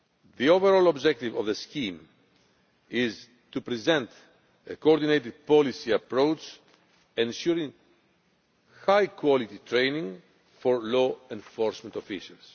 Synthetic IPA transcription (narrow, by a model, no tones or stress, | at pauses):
ðioveɾolobd͡ʒek̚t̪ivovðescĩm | iz | t̪upɾizẽnt̪ | ekooɾd̪inejt̪id̪̚polisiɐpɾowt͡ʃ | ẽnʃuɾĩŋ | xajkʰwolit̪it̪ɾenĩŋ | foɾloẽnfoɾsmẽnt̪ofḭʃɐls